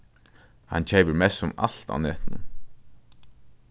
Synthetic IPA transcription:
ha̰nt͡ɕʰɛjpəɹmɛsʊma̰l̥t̪a̰wnɛːt̪nɪ̰n

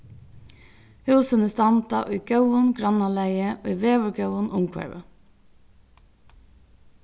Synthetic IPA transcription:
hʉːsənəst̪ɑnt̪ɑʔo̰ːiːɡ̥œʉənɡɾɑnɑlæɪəʔo̰ːiːʋeːʋəɡœʊənʔʊmkʰʋæ̰ɹʋə̰

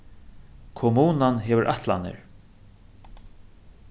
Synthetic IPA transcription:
kʰʊmuːnanɦɛːʋɪɾʔa̰ht̪la̰nɪ̰ɹ

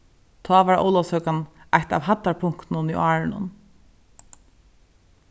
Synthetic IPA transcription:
t̪ʰɔːʋaɹo̰ːwlɔshœkanajht̪a̰ʋhat̪ːaɹpʰʊŋ̥kt̪nʊniʔɑːɹɪnʊ̰n

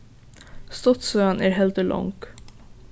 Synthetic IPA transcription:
st̪ɔt̪søɑnʔæːɾɦɛld̪əlʔɔ̰ŋk

